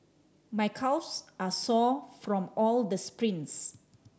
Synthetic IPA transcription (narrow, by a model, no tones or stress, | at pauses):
majkʰawsʔasɔfɹɔ̃mɔld̪əspɹĩns